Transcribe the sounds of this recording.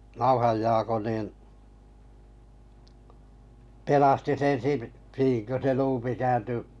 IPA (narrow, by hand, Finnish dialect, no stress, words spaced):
nɑuhɑj jɑːko niːn pelɑsti sen siː niːŋ kø se luːpi kæːnty